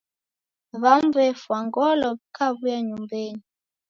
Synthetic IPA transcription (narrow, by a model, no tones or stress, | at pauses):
βamvɛfwaŋɡɔlɔβikʰaβujaɲumbɛni